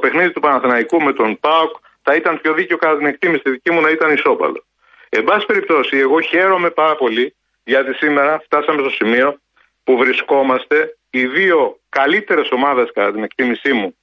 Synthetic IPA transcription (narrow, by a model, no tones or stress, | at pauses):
ope̞xniðit̪upɐnɐθenɐikume̞t̪o̞npɐok | θɐit̪ɐnpço̞ðiceo̞kɐt̪ɐt̪ine̞k̚t̪imisi̥t̪iðicimunɐit̪ɐniso̞pɐ̰lo̞̰ | e̞bɐsspe̞ɾip̚t̪o̞sie̞ɣo̞çe̞ɾo̞me̞pɐɾɐpo̞li | ʝɐt̪isime̞ɾɐft̪ɐsɐme̞st̪o̞simio̞ | puvɾisko̞mɐst̪e̞ | iðio̞kɐlit̪e̞ɾe̞so̞mɐðe̞skɐt̪ɐt̪ine̞kt̪imisimu